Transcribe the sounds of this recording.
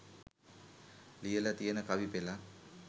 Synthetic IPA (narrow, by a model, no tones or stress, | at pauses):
lijəlat̪ijənəkaʋipela